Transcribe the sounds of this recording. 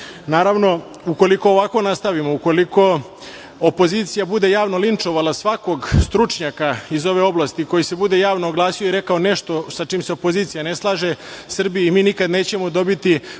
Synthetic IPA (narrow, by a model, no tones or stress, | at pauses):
naːɾaʋno̞ | uko̞liko̞ːʋako̞nast̪aʋimo̞uko̞liko̞ | opo̞ziːt̪sijabud̪e̞jaːʋno̞lint͡ʂo̞ʋalasʋako̞ɡst̪ɾut͡ʂɲakaizo̞ʋe̞o̞blˠast̪iko̞jise̞bud̪e̞jaːʋnoːɡlˠaːsijoiɾe̞kaone̞ʃt̪o̞sat͡ʂiːmseopo̞ziːt̪sijaneslˠaːʒesr̩bijimiːnikad̪neːt͡ɕe̞mod̪o̞bit̪i